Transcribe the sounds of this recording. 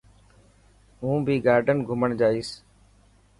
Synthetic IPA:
ɦũːbʱiːɡaːɾɖənɡʱʊməɳd͡ʒaːiːs

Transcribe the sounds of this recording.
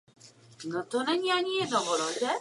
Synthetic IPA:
nɔt̪ɔnɛɲiaɲijɛd̪nɔ̃ɔɾɔzɛ

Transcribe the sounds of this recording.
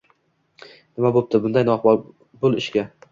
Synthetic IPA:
nɪmabop̚t̪ɪbʊnd̪ajnɒχbɒɾ | bʊlˠɪʃkʲa

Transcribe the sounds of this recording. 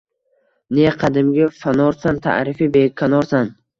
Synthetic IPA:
neqʰɑd̪ɪmɡʲafanɒɾsant̪ʰa̰ʔɾɪfibekʲʰːanɒɾsan

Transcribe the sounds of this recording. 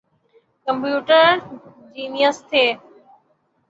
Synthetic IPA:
kə̃mpjuːʈəɾ | d͡ʑiːnijəst̪ʰeː

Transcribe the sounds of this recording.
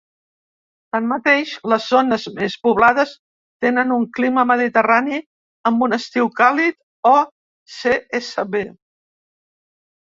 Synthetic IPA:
t̪anmət̪eʃləzːonəzmespuβlaðəs | t̪enənuŋkliməməðit̪ərani | əmbunəst̪iwkalit̪̚ | ɔ | seesəβe

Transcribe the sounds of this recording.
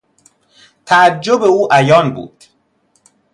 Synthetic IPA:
t̪ʰæːd͡ʒːobe̞uːʔæjɒːnbṵːd̪̥

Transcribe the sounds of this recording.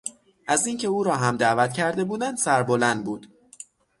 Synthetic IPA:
ʔæziːŋcʰe̞uːɾɒːɦæmd̪ævæt̪cʰæɾd̪e̞buːd̪ænd̪̥sæɾbo̞lænd̪̚buːd̪̥

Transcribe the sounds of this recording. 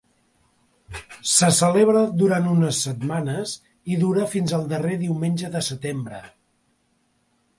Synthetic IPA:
səsəleβɾəd̪uɾant̪unəsːət̪manəz | iðuɾəfinzəlˠd̪əreðiwmenʲʒəðəsət̪embɾə̰

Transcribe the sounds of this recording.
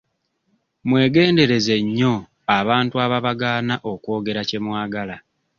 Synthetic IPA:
mwe̞ːɡe̞ːnde̞ɾe̞ze̞ɲːo̞ | aβaːntuaβaβaɡaːnaʔo̞kwo̞ːɡe̞ɾace̞mwaːɡala

